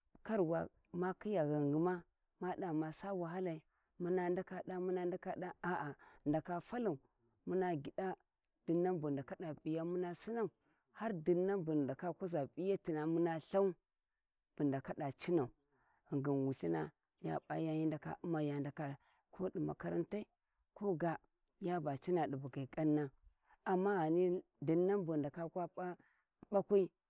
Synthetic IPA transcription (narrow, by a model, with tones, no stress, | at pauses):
ka˦ɾwa˨ | ma˦ki˦ja˨ɣa˨ŋɡi˨ma˦ | ma˦ɗa˨ma˨sa˦wa˨ɦa˦la˨i˨ | mu˦na˦nda˦ka˨ɗa˦mu˦na˦nda˦ka˦ɗa˦a˨ʔa˨nda˨ka˨fa˦lu˨ | mu˦na˨ɡi˨da˦ | d̥i˨nːa˦mbu˨nda˨ka˦da˨pi˨ja˦mu˦na˦si˦na˦˨u˨ | ha˦ɾdi˨nːa˦nbu˨nda˨ka˦ku˦za˨bi˦ja˦ti˨na˨mu˦na˦ɬa˦u˦ | b̥u˨nda˨ka˦da˨t͡ʃi˦na˨u˨ | ŋɡə˨nwu˨ɬi˦na˦ | ja̰˦ɓa̰˦ja˦ji˦nda˨ka̰˨u˦ma˨ja˨nda˨ka˨ | kʰo˦di˨ma̰˨ka˦ɾa̰˦nta˦i˦ | kʰo˦ɡa˨ | ja˦ba˨t͡ʃi˦na˨di˨bu˨ɡa˨kʼa˦nːa˦ | a˨mːa˦ɣa˨ni˦ | di˨nːa˦mbu˨nda˨ka˦kʷa˦a˦ | ɓa˦kʷu˦i˦